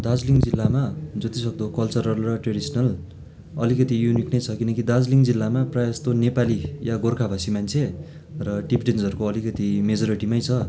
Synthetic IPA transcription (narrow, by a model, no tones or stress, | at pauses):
d̪ad͡zliŋd͡zilːamad͡zʌt̪isʌk̚d̪okʌlt͡sʌrʌrurʌʈreɽisʌnʌl | ʌlikʌt̪ijuniknʌjt͡sʰʌkinʌkid̪ad͡zliŋd͡zilːamaprajast̪onepalijaɡorkʰabʱasimant͡sʰe | rʌʈipɖend͡zʌrukoʌlikʌt̪imed͡zoɾiʈimʌjt͡sʰʌ